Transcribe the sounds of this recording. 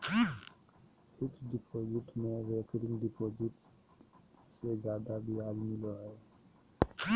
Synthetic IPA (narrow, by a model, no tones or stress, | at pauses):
ɪkʰɖipʰoːd͡ʒɪʈmẽʋeːkɾɪ̃ŋɖipʰoːd͡ʒɪʈs | sed͡ʒaːd̪abiaːlmɪloae